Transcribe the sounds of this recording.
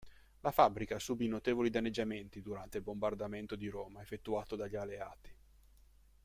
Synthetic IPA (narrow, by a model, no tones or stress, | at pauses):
lafabːɾikasubinot̪eːvolid̪anːed͡ʒːament̪id̪uɾant̪eilbombard̪ament̪od̪iɾoːmaefet̪ːuaːt̪od̪aʎːialːeaːt̪i̥